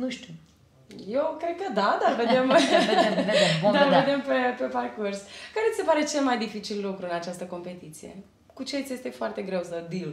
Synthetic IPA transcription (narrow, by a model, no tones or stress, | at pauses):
nuʃt̪u | je̞wkɾe̞d̪̚kəd̪ad̪arved̪em | d̪arvved̪e̞mpepe̞parkurskaɾet̪sise̞paɾe̞t͡ʃe̞lmajd̪ifit͡ʃilːukɾuɨnat͡ʃast̪əko̞mpe̞t̪it̪sije̞̰ | kut͡ʃet̪sje̞st̪e̞foart̪e̞ɡɾe̞wsəd̪il